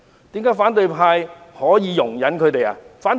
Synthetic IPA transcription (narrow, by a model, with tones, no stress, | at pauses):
t̪iː˨˥mkaː˨˥jfaː˨˥nt̪ɵ˨˧jpʰaː˧jhɔː˨˥jiː˨˧jʊ˨˩ŋjɐ˨˥nkʰɵ˨˧t̪e˨ja̰ː˨˧faː˨˥nt̪